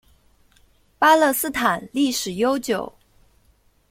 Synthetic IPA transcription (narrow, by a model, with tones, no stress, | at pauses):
pa˥lɤ˥˧sɹ̩˥t̪ʰa˨˩nli˥˩ʂɻ̩˨˩jo˥ʊt͡ɕjo˨˩˦ʊ